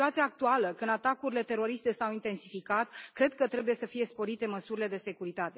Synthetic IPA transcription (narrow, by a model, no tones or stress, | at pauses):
uat̪siaːk̚t̪ualəkɨnd̪at̪akuɾile̞t̪e̞ɾo̞ɾist̪e̞sawint̪e̞nsifikat̪kɾe̞d̪̚kət̪ɾe̞buje̞səfije̞spo̞ɾit̪e̞məsuɾile̞d̪e̞se̞kuɾit̪at̪e̞